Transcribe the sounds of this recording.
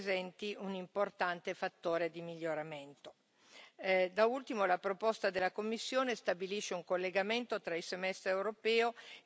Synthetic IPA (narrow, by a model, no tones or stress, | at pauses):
zɛnt̪iunimport̪ant̪efat̪ːoːɾed̪imiʎːoɾament̪o | d̪ault̪imolapɾopost̪ad̪elːakomːisːjoːnest̪abiliʃːeuŋkolːeɡament̪ot̪ɾaisemɛst̪ɾewɾopɛːo